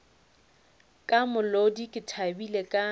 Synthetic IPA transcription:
kʼamʊlodikʼɪtʰabilekʼa

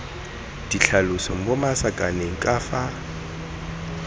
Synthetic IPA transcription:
d̥iɬʰalʊsɔŋ̩bʊmasakʼaneŋ̩kʼaːfa

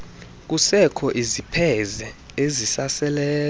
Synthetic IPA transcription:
k̬ʼusɛkʰɔʔizipʰɛzɛ | ezisasɛlɛː

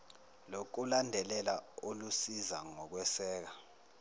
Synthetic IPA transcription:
lok̬ulandʱɛlɛlaolusiza̰ŋɔk̬wɛsɛːk̬a

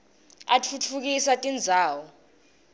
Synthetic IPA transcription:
at͡fʰut͡fʰuk̬isatʼind͡zʱaːwɔ

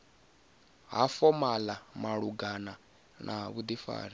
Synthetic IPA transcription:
ɦafɔmalamaɺuɡana | nʔaβud̪ifa̰ːɾi

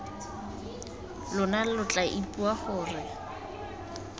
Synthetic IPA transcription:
lʊnalʊt͡ɬʼaʔipʼuahʊːrɪ

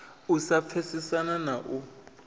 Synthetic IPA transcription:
usap̪fʰesisananaʔu

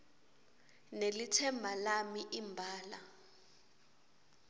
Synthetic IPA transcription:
nelitʰɛmbʱalamiʔimbʱaːla

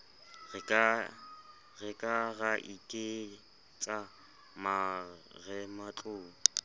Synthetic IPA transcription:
ɣɛkʼaɣaʔikʼe | t͡sʼa | ma | ɣɛmat͡ɬʼʊːŋ̩

